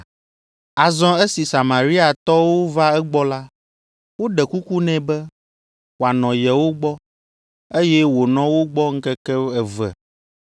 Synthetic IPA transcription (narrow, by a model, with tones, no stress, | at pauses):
a˨zɔ̃˦e˦si˨sa˨mã˨ɾi˦a˨t̪ɔ˦wo˦va˦ɛ˦ɡ͡bɔ˦la˦ | wo˦ɖɛ˨ku˦ku˦nɛ̃˨bɛ˦ | wo˨a˨nɔ̃˨jɛ˨wo˦ɡ͡bɔ˦ | e˦jɛ˦wo˨nɔ̃˦wo˦ɡ͡bɔ˦ŋ̩˦kɛ˦kɛ˦ɛ˨vɛ̰˨